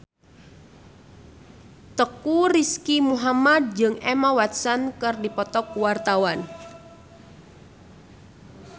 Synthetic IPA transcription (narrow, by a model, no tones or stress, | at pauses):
t̪əkuriskimuɦamad̪̚d͡ʒəŋemawat̪̚sankərdipɔt̪ɔk̚wart̪awan